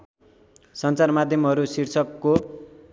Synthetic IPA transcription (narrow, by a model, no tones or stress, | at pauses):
sʌnt͡sarmad̪ʱjʌmɦʌɾusirt͡sʰʌkːo